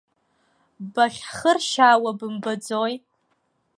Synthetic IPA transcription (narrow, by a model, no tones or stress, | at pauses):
baχʲχərʃaːwabɨmbɨd͡zoj